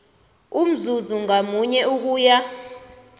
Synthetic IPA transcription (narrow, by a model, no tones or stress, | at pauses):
um̩zuzuŋamuɲɛuk̬uːja